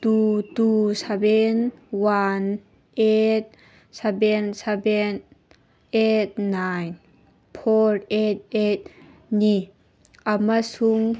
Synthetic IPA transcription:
t̪ut̪usabɛnwan | ʔet̪̚ | sabɛnsabɛn | ʔet̪̚najn | pʰɔrʔet̪̚et̪̚ | ni | ʔamasuŋ

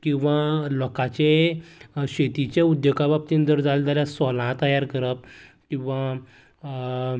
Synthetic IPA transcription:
kĩw̃ʋalɔkat͡ɕe | ɕet̪it͡ɕeud̪jəkabab̚t̪ind̪əɾd͡zald͡zaljasɔlãt̪əjaɾkəɾəp̚kĩw̃ʋa

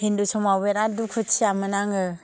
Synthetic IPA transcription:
hindusɔmaweɾadukʰɯt͡ʃʰiamɯnaŋɯ

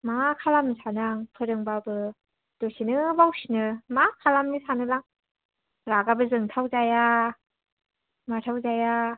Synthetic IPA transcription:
makʰalamːisʰanaŋpʰɯɾɯŋbabɯ | d̥osinɯbawsinɯmakʰalamːisanɯlaŋ | ɾaɡabɯzɯŋtʰawzaja | matʰawzaja

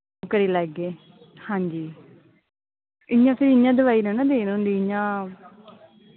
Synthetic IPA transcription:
kəɾiːlɛːɡeː | hãːɲd͡ʒiː | ɪɲãːfʰɪɾɪɲãːd̪əʋaːiːnə̃nãd̪eːñːnd̪iɪɲãː

